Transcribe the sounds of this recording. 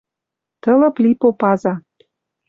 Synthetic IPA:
t̪ɤ̆lɤ̆plipopɑzɑ

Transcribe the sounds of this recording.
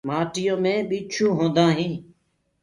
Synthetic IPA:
maːʈɪjõːmẽːɓiːt͡ʃʰũːɦõːnd̪ãːɦĩː

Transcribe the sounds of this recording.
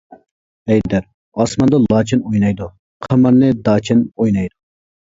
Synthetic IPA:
ɛjd̪æɾ | ɑsmɑnd̪ɑlˠɑːt͡ʃʰɪnojnɑjd̪u | qʰɑmɑnːɨd̪ɑːt͡ʃʰɪnojnɑjd̪u

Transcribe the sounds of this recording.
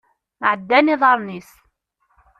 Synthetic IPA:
mʕəd̪ːæniðˤɑɾˤnis

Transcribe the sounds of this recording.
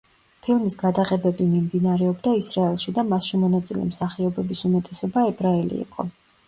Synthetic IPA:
pʰilˠmisɡad̪aqʼɛbɛbimimd̪inaɾɛɔbd̪aisɾaɛlˠʃid̪amasʃimɔnat̪sʼilɛ̰msaχiɔbɛbisumɛt̪ʼɛsɔbaɛbɾaɛlḭḭqʼɔ

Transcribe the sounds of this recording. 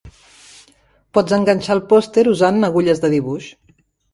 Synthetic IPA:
pɔd͡zzəŋɡənʲt͡ʃalˠpɔst̪eɾuzanːəɣuʎəzðəðiβuʃ

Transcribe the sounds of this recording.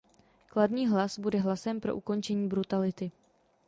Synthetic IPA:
kladniːɦlasbudɛɦlasɛmpɾoʔuko̞nt͡ʃɛɲiːbɾut̪alɪt̪ɪ

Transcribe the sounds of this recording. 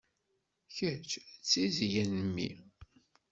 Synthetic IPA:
çət͡ʃt͡sːizjænəmːḭ

